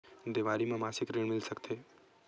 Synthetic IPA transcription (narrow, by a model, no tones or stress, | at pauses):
d̪ɪʋaːɾimẽmaːsɪkɾɪɳ̃mɪlsəkt̪ʰeː